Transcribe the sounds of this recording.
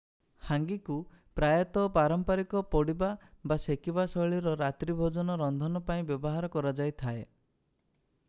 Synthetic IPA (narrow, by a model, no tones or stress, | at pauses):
haŋɡiku | pɾajɔt̪ɔpaɾɔmpaɾikɔpɔɽibabasekibasɔɭiɾɔɾat̪ɾibʱod͡ʒɔnɔɾɔnd̪ʱɔnɔpaĩbjɔbɔɦaɾɔkɔɾad͡ʒajt̪ʰae